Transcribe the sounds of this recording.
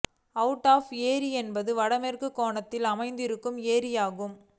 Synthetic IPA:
ɐʋʊʈːaːfeːɾiɛnbɐðɯʋɐɽɐmɛrkɯkːoːɳɐt̪ːɪlɐmɐɪnd̪ɪɾɯkːɯmeːɾɪjaːɣɯm

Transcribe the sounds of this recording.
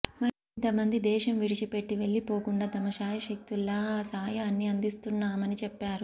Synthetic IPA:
mɐɾint̪ɐmɐnd̪id̪ɛːʃɐmʋiɽit͡ʃipe̞ʈːiʋe̞ɭːipo̞ːkuɳɖaːd̪ɐmɐʃaːjɐʃɐk̚t̪ulːɐsaːjɐːnːiɐnd̪ist̪unːaːmɐnit͡ʃɛpːaːɾu

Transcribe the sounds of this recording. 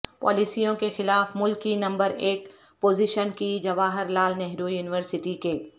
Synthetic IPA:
pɔ̰ːlisijõkexɪlaːfmʊlkinɐ̃mbəɾeːk | poːziʃənkid͡ʒɐʋaːɦɪɾlaːlnɛɦɾojuːnɪʋəɾsɪʈikeː

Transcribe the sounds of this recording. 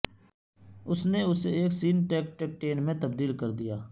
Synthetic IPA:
ʊsneʊseeːksiːnʈɛːk̚ʈek̚ʈeːnmẽt̪əb̚d̪iːlkəɾd̪ijaː

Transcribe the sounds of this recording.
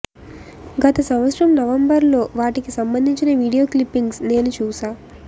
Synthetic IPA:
ɡɐt̪ɐsɐmʋɐt̪sɾɐmnɐʋɐmbɐɾlo̞ːʋaːʈikisɐmbɐnd̪ʱiɲt͡ʃinɐʋiːɽijo̞ːklipːiŋɡsne̞ːnut͡ʃuːsaː

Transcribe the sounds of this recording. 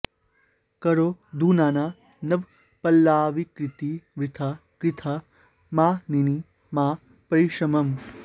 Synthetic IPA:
kɐɾoːd̪uːnaːnaː | nɐb | pɐlːaːʋikɾit̪iʋɾit̪ʰakɾit̪ʰa | maːnini | maː | pɐɾiʃɐmɐm

